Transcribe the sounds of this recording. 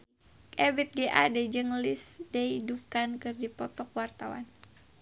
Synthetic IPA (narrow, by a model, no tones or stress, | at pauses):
kɛbit̪̚ɡeʔa̰dɛd͡ʒɨŋlisdɛidukankɨrdipɔt̪ɔk̚wart̪awa̰n